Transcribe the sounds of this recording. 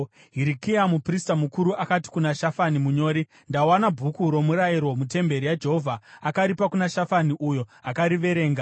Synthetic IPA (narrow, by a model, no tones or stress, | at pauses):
ɦiɾikiamupristamukuɾuʔakati̥kunaʃafanimuɲo̞ːɾi | ndawanabʱukuɾo̞muɾajiɾo̞mut̬e̞mbe̞ɾijad͡ʒe̞ɦovʱaakaɾipakunaʃafaniʔujo̞akaɾiʋe̞ɾe̞ːŋɡa